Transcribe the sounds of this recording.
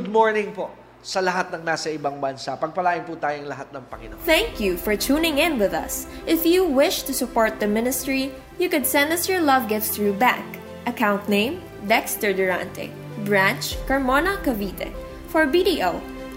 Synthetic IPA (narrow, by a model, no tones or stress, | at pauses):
d̪̚moɹnɪŋpo | sɐlɐɦat̪̚nɐŋnaːsɐʔɪbaŋbɐnsapɐɡ̚pɐlaːʔɪnput̪aːjoŋlɐɦat̪̚nɐŋpɐŋɪnoθɛ̃ŋkjufɔɹt̪ʰuːnɪ̃ŋɪ̃nwɪðɐ̰sʔɪfjuwɪʃt̪usʊpɔɹt̪̚d̪ɐmɪ̃nɪst̪ɹi | jukʊd̪sɛ̃nd̪ɐsjɔɹlʌvɡɪftsθɹubæ̰k | ʔɐkãw̃nt̪nẽɪ̃m | vɛkst̪ɛɹd̪ʊɹã̰nt̪ɛ̰ | bɹæ̃nt͡ʃkɐɹmonɐkɐvit̪ʰɛ̰ | fɔɹbidiʔoʊ